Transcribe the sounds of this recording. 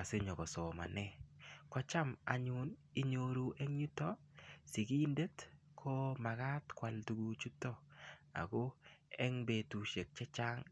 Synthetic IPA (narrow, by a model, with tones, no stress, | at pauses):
a˨se˦ɲɔ˨ɡɔ˨sɔ˨ma̰˨nɛ˦kwa˦t͡ʃa˦ma̰˨ɲʊni˦ɲo˨ɾu˨ʔɛ˦ŋɲu˦tɔ˦ | si˨ɡi˦nde˦t | kʰɔ˦ma˨ɡa˦tkwa˨ltu˨ɡu˨t͡ʃu˦tɔ˦a̰˨ɡo˦ɛ˦ŋbe˨tu˨ʃe˨k̚t͡ʃɛ˦t͡ʃa˦ŋ